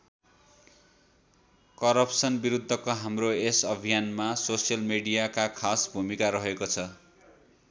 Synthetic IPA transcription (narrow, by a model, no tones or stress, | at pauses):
kʌɾʌpsʌnbiɾud̪ʱːʌkoɦamroesʌbʱijanmasosijʌlmeɽijakakʰasbʱumikaɾʌɦekot͡sʰʌ